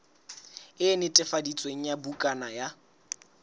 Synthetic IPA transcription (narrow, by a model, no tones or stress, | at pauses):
ɪnɪtʼɛfadit͡sʼweŋ̩jabukʼanaja